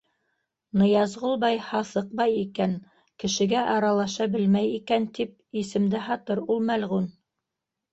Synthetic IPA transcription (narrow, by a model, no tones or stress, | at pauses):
nɤ̆jɑzʁulˠbɑjhɑθɤq̚bɑjikæn | kɘ̆ʃɘ̆ɡæʔɑɾɑlˠɑʃɑbɘlmæjikænt̪ip̚isɘ̆md̪ɘɦɑt̪ɤɾulˠmælʁun